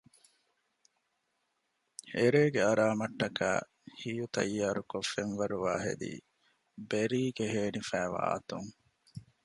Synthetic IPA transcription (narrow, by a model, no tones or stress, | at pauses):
eɾeːɡeɐɾaːmɐʈːɐkæ̰ː | hijut̪ɐ̰jːaːɾukofːenʋɐɾuʋaːɦḛd̪ḭː | beɾiːɡeɦeːnifæːʋa̰ːt̪uŋ